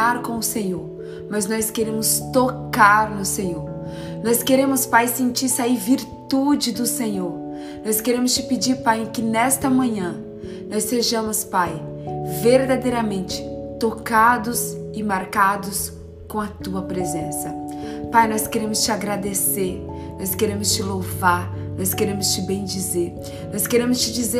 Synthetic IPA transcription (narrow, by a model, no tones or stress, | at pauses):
aɾkõʊsẽɲoɾ | mɐznɔskeɾẽmʊst̪okaɾnʊsẽɲoɾ | nɔskeɾẽmʊspajsẽnt͡ʃiɾsaiviɾt̪ud͡ʒɪd̪ʊsẽɲoɾ | nɔjskeɾẽmʊst͡ʃɪpɪd͡ʒiɾpajɪ̃kɪnɛst̪ɐmɐ̃ɲɐ̃ | nɔsːeʒɐ̃mʊspaj | veɾd̪ad̪ejɾɐmẽnt͡ʃɪ̥t̪okad̪ʊsɪmaɾkad̪ʊs | kõɐt̪uɐpɾezẽsɐpajnɔskeɾẽmʊst͡ʃɪaɡɾad̪eseɾ | nɔskeɾẽmʊst͡ʃɪlovaɾ | nɔskeɾẽmʊst͡ʃɪbẽj̃d͡ʒizeɾ | nɔskeɾẽmʊst͡ʃɪd͡ʒize